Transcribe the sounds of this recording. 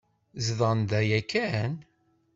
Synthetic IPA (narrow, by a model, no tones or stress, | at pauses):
zðˤɑnd̪æjækːæn